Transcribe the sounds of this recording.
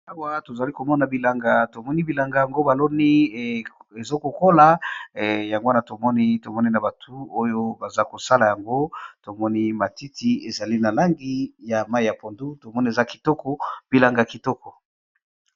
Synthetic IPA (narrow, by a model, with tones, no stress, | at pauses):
a˦wa˦˨to˨za˨li˦ko˨mɔ˦na˨bi˨la˨ŋɡa˨to˨mɔ˦ni˦bi˨la˨ŋɡa˨ja˨ŋɡo˦ba˨lɔ˦ni˦ | e˨zo˦ko˨ko˦la˨ | ja˨ŋɡna˨to˨mɔ˦ni˦to˨mɔ˦ni˦na˨ba˨tʰu˦o˦jo˦ba˨za˦ko˨sa˦la˨ja˨ŋɡo˦to˨mɔ˦ni˦ma˨ti˦ti˦e˨za˨li˦na˨la˦ŋɡi˦ja˨ma˦i˨ja˨po˨ndu˦to˨mɔ˦ni˦e˨za˦ki̥˨tɔ˦kɔ˦b̥i˨la˨ŋɡa˨ki˨tɔ˦kɔ˨